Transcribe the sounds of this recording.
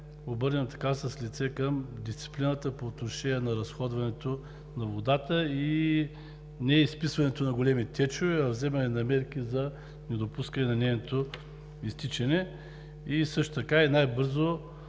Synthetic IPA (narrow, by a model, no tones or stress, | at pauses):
obɤɾnʲəmt̪ɐ̥kasəslit̪sɛkəmd̪ist̪si̥plinət̪əpoːt̪noʃɛnʲiɛnɐɾɐsxɔd̪vɐnɛt̪o | nɐvod̪at̪əi | nɛispisvɐnɛt̪onɐɡolɛmit̪ʲɛt͡ʃovɛɐvzɛmɐnɛnɐmɛɾkizɐ | nɛd̪opuskɐnɛnɐnɛjnot̪o | ist̪it͡ʃɛnɛ | isɤʃt̪o̥t̪ɐkainajbɤɾzo